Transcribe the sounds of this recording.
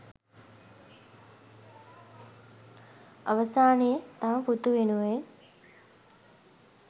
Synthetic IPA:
əʋəsaːnejət̪aput̪uʋenuʋe

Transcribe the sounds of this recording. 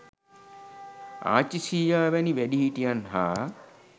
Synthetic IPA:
a̰ːt͡ʃisiːjaːʋɛniʋɛɖiɦiʈijanɦaː

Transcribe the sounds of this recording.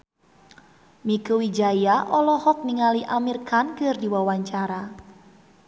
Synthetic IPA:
mikuwid͡ʒajaʔɔlɔhɔk̚niŋaliʔamirkankərdiwawaɲt͡ʃaɾa

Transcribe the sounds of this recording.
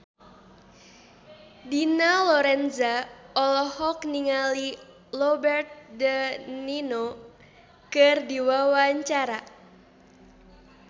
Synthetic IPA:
dinalɔɾɛnzaɔlɔhɔkniŋali | lɔbɛrt̪̚dənino | kɨrdiwawaɲt͡ʃaɾa

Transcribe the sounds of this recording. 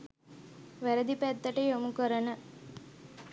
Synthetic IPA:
ʋæɾəd̪ipæt̪ːəʈəjomukəɾənə

